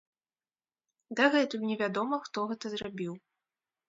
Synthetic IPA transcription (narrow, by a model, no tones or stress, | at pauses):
d̪aɣɛt̪ujnʲɛvʲad̪ɔmɐxt̪ɔɣɛt̪ɐzrabʲiw